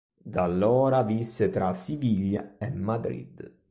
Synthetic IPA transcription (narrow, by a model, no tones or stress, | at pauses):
d̪alːɔːɾavisːet̪ɾasiviʎja̰emːad̪ɾḭd̪